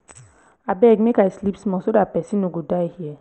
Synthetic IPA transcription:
abɛɡmekajslipsmɔsodapɛsĩnoɡodaɪhiɛ

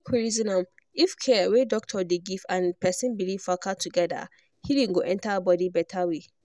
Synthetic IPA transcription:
kʰuɹizinãm | ifkʰɛwẽdɔk̚tʰɔdeɡivãnpɛsĩnbiliv̥fakʰatʰuɡɛda̰ | hideŋ̩ɡoʔɛ̃ntabɔdibɛtʰawe

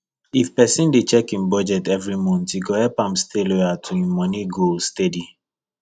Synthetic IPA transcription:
ifpɛsĩndet͡ʃɛkĩnbɔd͡ʒɛtɛvɾimɔ̃ntiɡohɛpãmsteloatʰuĩmɔniɡolstedi

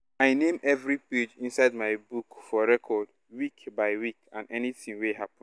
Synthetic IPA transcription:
aɪnẽmɛvɹiped͡ʒĩnsaɪd̚maɪbukfɔɹɛkʰɔd | wikbaɪwikãnɛniθĩŋweɦapɔ̃

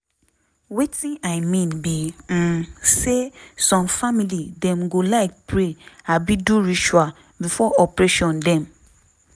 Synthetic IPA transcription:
wetĩnaɪmĩnbim̩sesɔ̃mfamilidɛ̃mɡolaɪk̚pɾeabiduɾiʃua | bifɔʔɔpɾeʃɔ̃ndɛ̃m

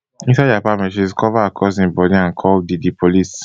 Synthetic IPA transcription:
ĩnsad͡ʒapamɛʃizkɔvakʰɔsĩbɔdĩãnkʰɔldidipʰolis

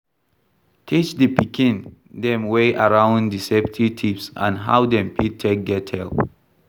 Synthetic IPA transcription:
tʰit͡ʃdəpikʰĩn | dɛ̃mweʔaɹãʊ̃ndisɛptʰivtʰipsã̰nɦa̰wdɛ̃mpʰitʰːek̚dɛtʰɛl

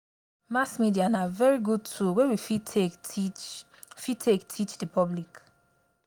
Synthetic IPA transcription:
masmidianavɛɹiɡud̚tʰuwewifitʰe | fitʰektʰit͡ʃdipɔblik

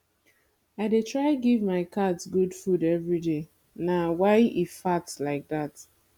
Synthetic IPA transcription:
aɪdetʰɹaɪɡivmaɪkʰadsɡudfudɛvɹide | nawaɪifatslaɪk̚ðat

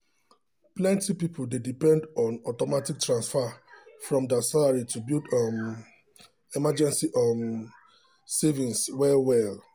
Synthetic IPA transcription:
plɛ̃ntipipʰldedipɛ̃ndɔ̃nɔtɔmatik̚tɹãnsfafɹɔ̃mdɛsalaɹitubildɔm | imad͡ʒɛ̃nsiʔɔn | sɛvĩnswɛwɛl

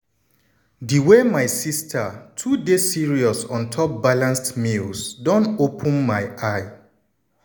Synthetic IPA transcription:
diwemaɪsistʰətʰudesiɹiɔsɔ̃ntʰɔp̚balãnstmilsdɔ̃ntopʰə̃nmaɪaɪ

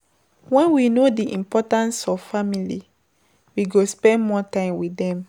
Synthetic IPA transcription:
wɛ̃nwinodiʔĩmpɔtãnsɔvfamili | wiɡospɛ̃nmɔtãɪ̃mwidɛ̃m

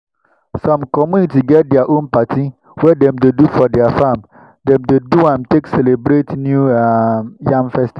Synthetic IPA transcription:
sãmkɔmũnitiɡɛt̚dɛaʔõnpatʰi | wɛdɛ̃mdedufɔdɛafãm | dɛ̃mdeduwãmtʰeksɛlebɾetnjuamjãmfɛsti

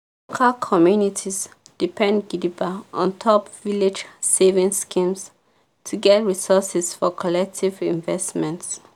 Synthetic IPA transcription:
lokʰalkʰɔmjunitʰis | d̥ipʰɛ̃ndɡilibaɔ̃ntʰɔpviled͡ʒsevĩŋskĩms | tʰuɡɛtɹisɔsɛsfɔkʰɔlɛk̚tʰivĩnvɛsmɛ̃nts

